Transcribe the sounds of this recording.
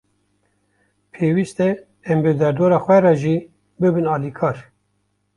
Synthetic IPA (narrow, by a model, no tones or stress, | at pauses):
pʰeːwiːst̪ɛː | mbɨd̪ɛɾd̪oːɾɑːxʷɛrɑʒiː | bɨbɨnɑːlikʰɑːɾ